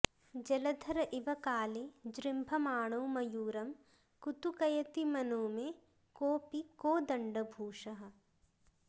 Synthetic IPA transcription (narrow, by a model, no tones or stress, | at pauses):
d͡ʒɐlɐd̪ʱɐɾɐʔɪʋɐkaːlid͡ʒɾɪmbʱɐmaːɳ̃oːmɐjuːɾɐm | kut̪ukɐjɐt̪imɐnoːmẽ | koːpikoːd̪ɐɳɖɐbʱuːʃɐɦɐ̆